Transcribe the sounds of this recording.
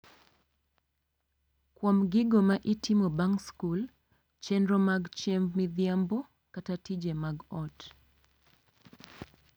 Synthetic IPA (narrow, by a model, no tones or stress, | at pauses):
kwam̩ɡiɡɔmaʔitʰimɔbaŋskul | t͡ʃɛnɾɔmaɡt͡ʃɛɱvmiðiambɔ | katatid͡ʒɛmaɡɔt